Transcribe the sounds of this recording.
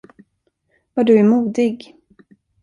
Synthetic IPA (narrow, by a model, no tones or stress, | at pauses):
vaɖɵæmuːd̪ɪɡ